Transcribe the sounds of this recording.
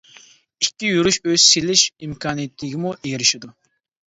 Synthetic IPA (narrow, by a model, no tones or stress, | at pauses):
ikʲːijuɾuʃøz̥silɪʃimkʲʰɑːnijet̪ʰːɪɡʲɪmuʔeɡʲiɾɪʃid̪u